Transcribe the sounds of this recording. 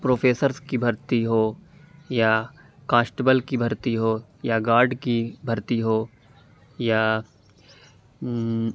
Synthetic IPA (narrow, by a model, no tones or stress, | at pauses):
pɾoːpʰeːsəɾskibʱɐɾt̪iɦoːja | kãːsʈebəlkibʱɐɾt̪iɦoːjaɡaːɾɖkibʱɐɾt̪iɦoː | ja